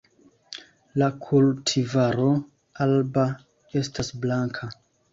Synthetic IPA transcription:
lakʰultʰivaɾo̞ | alba | e̞stasblaŋkʰa

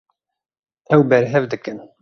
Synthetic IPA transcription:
ɛwbɛɾɦɛvd̪ɨkɨn

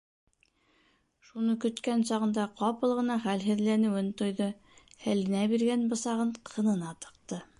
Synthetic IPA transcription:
ʃunɤkɵ̆t̪kænsɑʁɤ̆nd̪ɑqɑpɤlˠʁɤ̆nɑχælɦɘ̆ðlænɘ̆wɘnt̪ŏjðɤ | hælɘ̆næbiɾɡænbɤ̆sɑʁɤɴqʰɤ̆nɤ̆nɑt̪ɤ̥̆q̚t̪ɤ

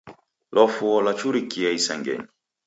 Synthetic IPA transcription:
lɔfuɔlat͡ʃuɾikiaisaŋɡɛ̰ɲi

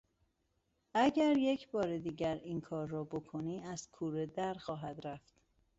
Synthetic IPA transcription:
ʔæɟæɾje̞cʰbɒːɾed̪iːɟæɾiŋkʰɒːɾːɒːbokʰoniːæz̥kʰuːɾed̪æɾxɒːɦæd̪ɾæft̪

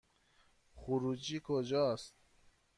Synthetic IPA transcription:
χuɾud͡ʒikʰod͡ʒɔst̪̚

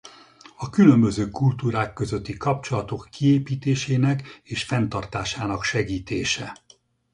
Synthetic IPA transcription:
ɒkylømbø̞zøːkult̪uːɾaːkːøzøt̪ːikɒp̚t͡ʃo̞lɒt̪o̞kːieːpiːt̪eːʃeːnɛkeːʃfɛnt̪ɒrt̪aːʃaːnɒkʃɛɡiːt̪eːʃɛ

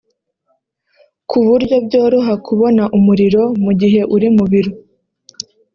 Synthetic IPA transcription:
kʰuβuɾɟo̞bɟoːɾoɦakʰuβo̞naʔumuɾiɾo̞muɟiɦe̞ʔuɾimuβiɾo

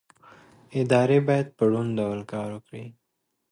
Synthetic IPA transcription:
ɪd̪ɑɾebɑjad̪̚pəɽunɖ̪awalkɑːɾokɽi

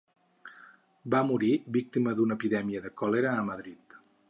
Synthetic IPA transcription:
bamuɾibik̚t̪iməðunəpiðɛmiəðəkɔleɾəːməðɾit̪

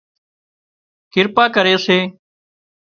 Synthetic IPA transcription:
kɪɾpaːkəɾeːseː

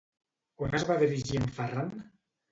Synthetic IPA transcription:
kwanazβaðiɾiʒiəɱfaran

